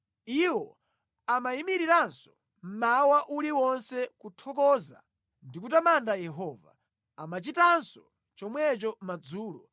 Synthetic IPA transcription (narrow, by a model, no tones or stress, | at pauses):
iwɔ | amaimiɾiɾansɔ̥ | m̩mawaʔuliwɔnsɛkutʰɔkɔza̰ | ndikutamandajɛɦɔːva̰ | amat͡ʃitansɔ̥ | t͡ʃɔmwɛt͡ʃɔmad͡zuːlɔ